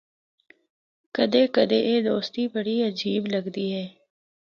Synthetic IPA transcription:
kəd̪eːkəd̪eːʔeːd̪oːst̪ibəɽiəd͡ʒiːbləɡd̪iːɦɛː

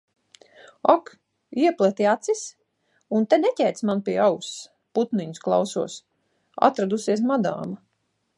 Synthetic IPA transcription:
ak | iɛplˠɛt̪iat̪sis | unt̪enɛcʲɛjt̪smanpiɛaws | put̪niɲusklˠa̰wsuɔs | a̰t̪ɾad̪usiɛs̬mad̪a̰ːma

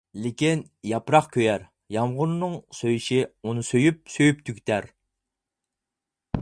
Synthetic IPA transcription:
lɪkʲin | jɑpɾɑχkʲʰøjɛɾ | jɑmʁʊnnɨŋsøjiʃiunɨsøjyp̚søjyp̚t̪ʰykʲt̪ʰæɾ

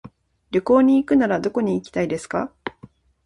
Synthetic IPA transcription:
ɾʲoko̞ːɲ̟iːkɯ̟naɾad̪o̞ko̞ɲ̟iːkʲi̥t̪aid̪e̞sɨ̥ka

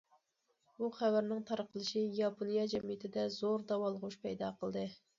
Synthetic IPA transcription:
buχæwæɾnɪŋt̪ʰɑɾqəlˠɨʃijɑpʰonijɑd͡ʒɛmijɪt̪ʰɪd̪ɛzoɾd̪ɑwɑlˠəʁuʃpɛjd̪ɑqʰəlˠd̪ɨ

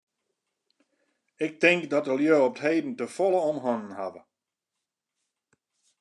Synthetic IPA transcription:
ɪk̚tɪŋkdɔtəljøːɔp̚thejːdn̩təfɔlˠəɔmɦɔnənhavə̰

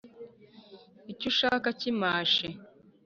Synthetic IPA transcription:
icuʃaːkacimaːʃe

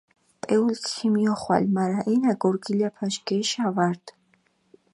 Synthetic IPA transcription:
pʼɛulkximijɔχwa̰lʲmaɾaʔɛnaɡɔɾɡilapʰaʃɡɛʃavaɾd̪

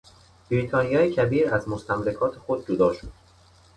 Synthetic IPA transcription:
b̥ɾiːt̪ʰɒːnijɒːjecʰæbiːɾæzmost̪ʰæmɾekʰɒːt̪ʰe̞xo̞d̪̚d͡ʒod̪ɒːʃod̥̪

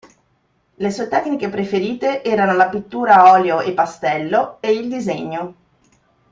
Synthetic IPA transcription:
lesuːet̪ɛkːnikepɾefeɾiːt̪eʔɛːɾanolapit̪ːuːɾaɔːljoʔepːast̪ɛlːoeild̪izeɲːo

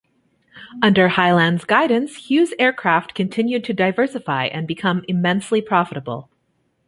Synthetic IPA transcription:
ʌ̃ndə˞haɪlæ̃ndzɡaɪdⁿn̩shjʉzɛɹkʰɹ̥æft̚kʰɨ̃ntʰɪ̃njʉd̚tʰɨdaɪvɜ˞sɨfaɪʔɨ̃nbɨkʰʌ̃mɨmɛ̃nslipʰɹ̥ɑfəɾəbl̩ˠ

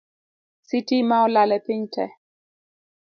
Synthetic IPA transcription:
sitimaɔlalɛpiɲtʰɛ

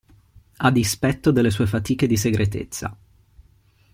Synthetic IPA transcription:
ad̪ispɛt̪ːod̪elːes̬uːefat̪iːked̪is̬eɡɾʔet̪ḛt̪sːa̰

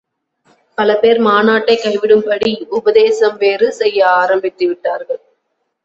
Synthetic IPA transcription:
pɐlɐpeːɾmaːnaːʈːɐɪkːɐɪʋɪɽɯmpɐɽiʊbɐðeːsɐmʋeːrɯsɛjːɐaːɾɐmbɪt̪ːɯʋɪʈːaːɾɣɐɭ

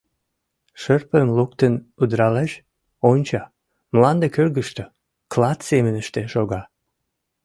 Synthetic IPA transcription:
ʃərpəmlukt̪ənud̪ɾɑleʃ | onʲt͡ɕɑ | mlɑnd̪ekørɡəʃt̪ə | klɑt̪semənəʃt̪eʃoɣɑ

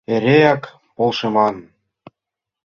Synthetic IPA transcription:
eɾejɑk | polʃɤmɑn

